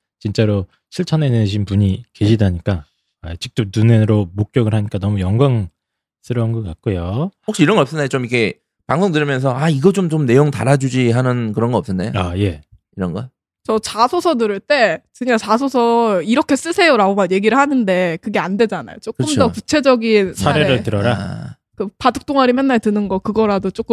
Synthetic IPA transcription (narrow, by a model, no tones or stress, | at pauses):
t͡ɕint͡ɕ͈aɾo | sʰɯɭt͡ɕʰʌneneɕʰinpuɲike̞ɕʰidaɲik͈a | at͡ɕik̚t͈onuneɾomok̚k͈jʌɡɯɭhaɲik͈anʌmujʌŋɡwaŋ | s͈ʰɯɾʌnɡʌka̰k̚k͈ojookɕ͈iiɾʌŋɡʌʌps͈ʌnːajot͡ɕomikʰe̞ | paŋsʰoŋdɯɾimjʌnsʰʌaiɡʌt͡ɕomt͡ɕomne̞joŋtaɾad͡ʑud͡ʑiɦanɯnkɯɾʌnɡʌʌps͈ʌnːajo̰aje̞ | iɾʌnɡʌ | t͡ɕʌt͡ɕʰasʰosʰʌnɯɾɯɭt͈e̞kɯɲat͡ɕasʰosʰʌiɾʌkʰe̞s͈ɯsʰe̞joɾaomanje̞ɡiɾɯɭhanɯnde̞kɯɡe̞ande̞d͡ʑana̰jot͡ɕ͈okɯɯt͡ɕmʰdʌkut͡ɕʰe̞d͡ʑʌɡinsʰaɾeɾɯɭtɯɾʌɾa | kɯpaduk̚t͈ʰoŋaɾimjʌnːaɭtɯnɯnɡʌkɯɡʌɾadot͡ɕ͈ok͈ɯ